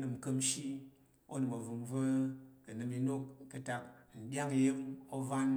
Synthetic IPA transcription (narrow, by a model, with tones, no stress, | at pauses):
nɨ˨m˨kə˧mʃi˦ | o̰˦nɨ˨mo˨vu˧mvə˦kɐ˨nɨ˨˧mi˧no˦kːɐ˦ta˧k̚n̩˨dʲa˦ŋ˨˧ji˦mo˦va˦n